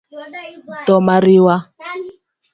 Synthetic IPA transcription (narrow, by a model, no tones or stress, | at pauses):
tɔmaɾiwa